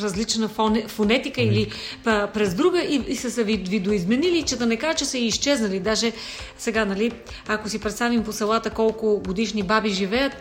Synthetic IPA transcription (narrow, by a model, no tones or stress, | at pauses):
ɾɐzlit͡ʃnənfonɛt̪ikəilipɾɛzd̪ɾuɡəʔiisəsɛvivid̪oizmɛnilit͡ʃɛd̪ɐnɛkaʒət͡ʃɛsəiʃt͡ʃɛznəlid̪aʒɛ | sɛɡanɐli | akosipɾɛt̪st̪avimposɐlˠat̪əkɔlˠkʊɡod̪iʃnibabiʒivɛjət̪